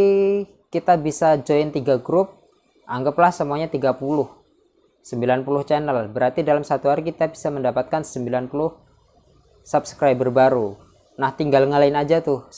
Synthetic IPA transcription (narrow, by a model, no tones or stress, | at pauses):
kit̪abisad͡ʒoɪnt̪iɡaɡɾʊp̚ | ʔaŋɡəplahsəmuaɲat̪iɡapulʊh | səmbilanpulʊht͡ʃɛnəlbəɾart̪idalamsat̪uɦaɾikit̪abi̥saməndapat̪̚kansəmbilanpulʊh | subskɾajbərbaɾu | naht̪iŋɡalŋəlaɪnad͡ʒat̪ʊ